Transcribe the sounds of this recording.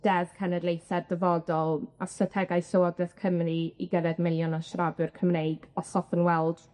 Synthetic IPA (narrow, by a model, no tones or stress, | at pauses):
d̥ɛðkʰɛnɛdlˠejθɛrdəvɔdɔlˠastrətʰɛɡajsɔɔdɛθkʰəmriiɡəɾɛdmɪlˠjɔnaʃrabʊrkʰəmnejɡ̥ɔsɔfənwɛlˠd̥